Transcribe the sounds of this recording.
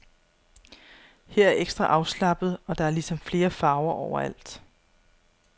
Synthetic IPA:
he̝ɐ̰æɐeɡ̥sd̥ʁɑʔɑ̈ʊslɑ̈b̥ð̩ˠɒ̽d̥ɑ̈æɐlisɒ̽mfle̝ːɐfɑ̈ːʊɐʔɒʊ̰ɐæl̰d̥

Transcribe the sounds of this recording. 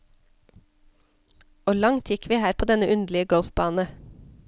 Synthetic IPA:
oːlɑŋt̪ʰjɪkʰʋiːhæːɾpʰoːd̪ɛnəʔʉnd̪lɪəɡœlfbɑːnə

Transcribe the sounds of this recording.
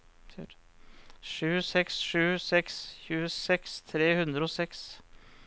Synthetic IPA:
ʂʉːsɛksʂʉːsɛksçʉːəsɛkst̪ʰɾeːhʉnd̪ɾəoːsɛks

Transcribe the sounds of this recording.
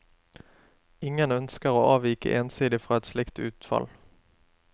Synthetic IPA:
ɪŋənœnskəʁoːʔɑːʋiːkə̰ʔeːnsiːd̪ɪfʁɑːɛt̪slɪkt̪ʉːt̪fɑ̰l

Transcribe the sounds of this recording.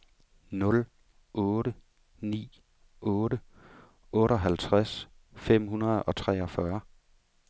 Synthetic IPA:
nɔ̽l | ʔɔ̽ːɾə | nḭː | ɔːɾə | ɔ̽ːɾəɒ̽ɦælt͡sʰʁas | fem̰hunɐð̞̩ˠɒ̽t͡sʰʁɛːɒ̽fɶɐ

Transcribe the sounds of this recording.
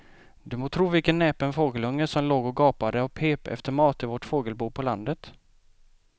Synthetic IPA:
d̪ɵmoːt̪ʰɾuːvɪlkənːɛːpɛnfoːɡəlɵŋːəsɔmloːɡɔɡɑːpad̪əɔpʰeːpɛ̰ft̪əɾmɑːt̪ɪvɔʈfoːɡəlbuːpʰɔland̪ət̪

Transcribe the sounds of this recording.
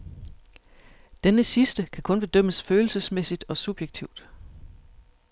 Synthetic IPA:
d̥enəsisd̥əkʰækʰɔ̽nb̥e̝d̥øm̰əsføːl̩səsmesid̥ɒ̽sub̥jeɡ̥̚t͡sʰiʊ̰d̥

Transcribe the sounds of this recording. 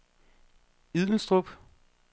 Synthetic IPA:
ið̰ˠn̩sd̥ʁɔb̥

